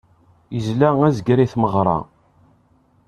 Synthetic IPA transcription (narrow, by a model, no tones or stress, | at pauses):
jəzlææzəɡɾiθməʁɾˤɑ̰